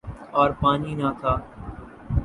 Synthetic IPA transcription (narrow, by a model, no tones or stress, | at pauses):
ɔːɾpaːniːnaːt̪ʰaː